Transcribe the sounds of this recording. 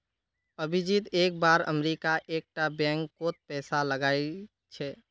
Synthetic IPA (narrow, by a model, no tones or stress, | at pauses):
əbʱid͡ʒit̪eːk̚baɾə̰mɾikaʔek̚ʈabɛ̃ŋkkot̪̚pɛːsaləɡaɪl | t͡ʃʰɛ